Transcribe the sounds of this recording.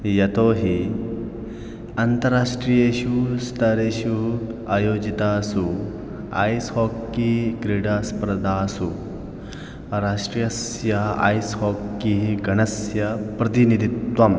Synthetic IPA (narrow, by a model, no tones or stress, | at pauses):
jɐt̪oɦi | ɐnt̪əɾːaʂʈɾijeɕust̪ʰɐɾeɕuajod͡ʑit̪asu | a̰jshɔkːiɡɾiɽaspɾɐd̪ʱasu | ɾaʂʈɾijɐs | jɐa̰jshɔkːiɡʱɐɳɐsjɐpɾɐt̪inid̪ʱit̪ʋam